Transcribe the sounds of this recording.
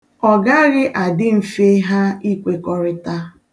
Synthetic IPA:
ɔ˨ɡa˦ɣɪ˦ʔa˨dɪ˦m̩˨fe˦ɦa˦i˦kʷe˨kɔ˦ɾɪ˦ta˦

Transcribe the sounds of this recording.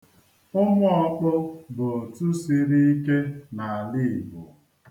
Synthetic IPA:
ʊ˦mʊ˦ɔ˦k͡pʊ˦bo˨o˨tu˦si˦ɾi˦i˦ke˦na˨a˨li˦˨bʊ˨

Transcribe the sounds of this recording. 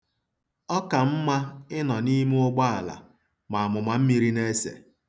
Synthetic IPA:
ɔ˦ka˨m̩˦ma˦ɪ˦nɔ˨ni˦mu˦ʊ˦ɡ͡ba˦a˨la̰˨ | ma˨a˨mʊ˨ma˨m̩˦mi˦ɾi˦ne˦sḛ˨

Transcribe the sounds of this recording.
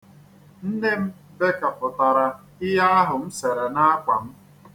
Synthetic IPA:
n̩˦ne˦m̩˦ | be˦ka˨pʊ˨ta˨ɾa˨ | ɪ˦ɦa˦a˦ɦʊ˨m̩˦se˨ɾe˨na˦a˦kʷa̰˨m̩˦

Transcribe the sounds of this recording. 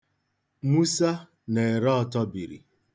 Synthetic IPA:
mu˦sa˦ | ne˨e˨ɾɔ˦ɔ˦tɔ˦bi˨ɾḭ˨

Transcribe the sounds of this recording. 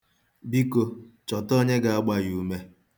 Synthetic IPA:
bi˦ko˨ | t͡ʃɔ˨tɔ˦ɲe˦ɡa˨a˦ɡ͡ba˦ju˨me˦

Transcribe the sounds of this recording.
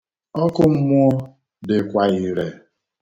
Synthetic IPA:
ɔ˦kʊ˦m̩˦mʊ˦ɔ˦ | dɪ˨kʷa˦i˦ɾe˨

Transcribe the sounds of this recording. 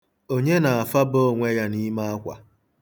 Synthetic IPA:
o˦ɲe˦na˨a˨fa˦bo˦˨ŋʷe˦ja˦ni˦ma˦a˦kʷa̰˨

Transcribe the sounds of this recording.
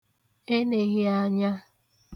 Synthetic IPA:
e˦ne˨ɣɪ˦a˦ɲa˦

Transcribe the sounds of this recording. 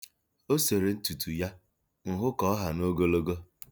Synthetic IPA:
o˦se˨ɾe˨n̩˦tu˨tu˨ja˦ | ŋ̩˨ɦʊ˦kɔ˦ɦa˨no˦ɡo˦lo˦ɡo˦

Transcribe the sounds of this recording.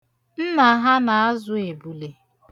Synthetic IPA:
m̩˦ma˨˦ɦa˦na˨a˦zʊ˦e˨bu˨le˨

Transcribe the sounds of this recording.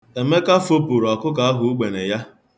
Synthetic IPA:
e˨me˦ka˦fo˦pu˨ɾa˨kʊ˦ka˨a˦ɦʊ˦u˦ɡ͡be˨ne˨ja˦

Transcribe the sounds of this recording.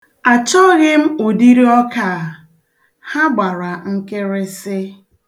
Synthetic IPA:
a˨t͡ʃɔ˦ɣɪ˦m̩˦o˨di˦ɾi˦ɔ˦ka˨ | ha˦ɡ͡ba˨ɾa˨ŋ̩˦ke˦ɾɪ˦sɪ˦

